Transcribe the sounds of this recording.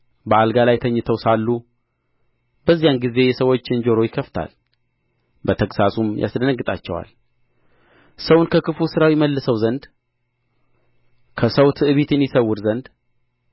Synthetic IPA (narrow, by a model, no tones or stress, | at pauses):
bəalɡalajt̪ʰəɲːɨt̪ʰəwsalːu | b̥əzːijanɡize̞jɛsəwo̞t͡ʃːɪnd͡ʒoɾo̞jɪkʰːəft̪ʰa̰l | bət̪ʰəkʼsasumjʔa̰sd̪ənəɡːɨt̪ʼa̰t͡ʃːɛwa̰l | səwnkʰəkʰɨflusɨɾawjɛməlːəsəwzənd̪ | kʰəsəwt̪ʰɨʔɨβit̪ʰɨnɪsəwʊɾzənd̪